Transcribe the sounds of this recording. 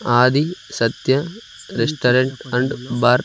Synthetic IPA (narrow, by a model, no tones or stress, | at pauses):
aːd̪isɐt̪jɐ | ɾesʈɐɾɐɳʈɐɳɖbaːɾ